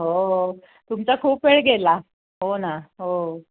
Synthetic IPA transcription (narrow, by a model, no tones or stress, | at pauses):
ɦo | t̪umt͡sakʰuːpːeɭɡʱela | ɦonaɦo